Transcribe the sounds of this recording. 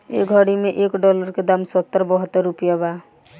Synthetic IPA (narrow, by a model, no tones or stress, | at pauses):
ḛːɡʱəɽimẽʔeːkɖɔːləɾked̪amsət̪ːəɾbəɦət̪ːəɾːʊpijabaː